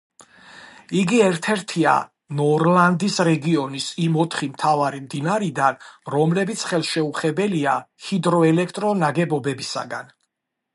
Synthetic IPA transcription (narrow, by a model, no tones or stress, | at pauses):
iɡiɛɾt̪ʰɛɾt̪ʰia̰ | nɔɾland̪isɾɛɡiɔnisimɔt̪ʰχimt̪ʰavaɾimd̪inaɾid̪anɾɔmlɛbit̪sʰχɛlˠʃɛuχɛbɛliahid̪ɾɔɛlɛkʰt̪ʼɾɔnaɡɛbɔbɛbisa̰ɡan